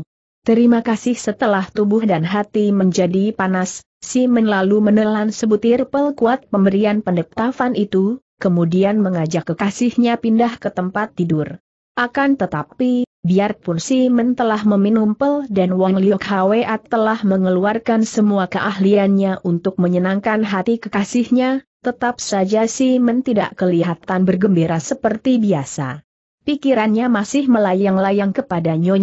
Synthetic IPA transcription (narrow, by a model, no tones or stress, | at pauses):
t̪əɾimakasɪhsət̪əlaht̪ubʊhdanɦat̪iməɲd͡ʒadipanasː | imənlalumənəlansəbut̪irpəlkuat̪̚pəmbəɾianpəndək̚t̪afanit̪u | kəmudianməŋad͡ʒakːəkasɪhɲapindahkət̪əmpat̪ːidʊr | ʔakant̪ət̪apibiarpʊnsimənt̪əlahməminumpəldanwaŋliɔkhaweʔat̪ːəlahməŋəluarkansəmuakəʔaɦlianɲaʔunt̪ʊk̚məɲənaŋkanɦat̪ikəkasɪhɲat̪ət̪ap̚sad͡ʒasimənt̪idaʔkəliɦat̪anbərɡəmbeɾasəpərt̪ibiasa̰ | pikiɾanɲamasɪhməlajaŋlajaŋkəpadaɲo